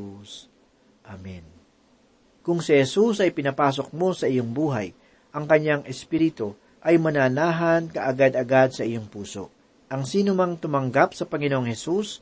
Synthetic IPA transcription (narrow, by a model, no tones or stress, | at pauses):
ʔamɛn | kʊŋsɪhɛsusɐjpɪnɐpaːs̬o̞k̚mo̞sɐʔɪjo̞ŋbuːɦaj | ʔɐŋkɐɲːaŋʔɛspiɾɪt̪o | ʔɐjmɐnaːnaːɦɐnkɐʔɐɡad̪ɐɡad̪̚sɐʔɪjo̞ŋpuːso̞̰ | ʔɐŋsiːnomɐŋt̪ʊmɐŋɡap̚sɐpɐŋɪnoʔoŋhɛsus